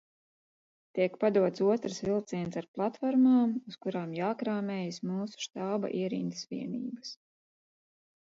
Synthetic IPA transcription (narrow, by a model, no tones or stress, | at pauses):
t̪iɛkpad̪uɔt̪suɔt̪ɾɨsvilˠt̪siɛnsaɾplˠat̪fɔɾmaːmuskuɾaːmjaːkɾaːmɛːjismuːsu̥ʃt̪aːba̰ʔiɛɾḭnd̪sʋiɛnḭːbɐs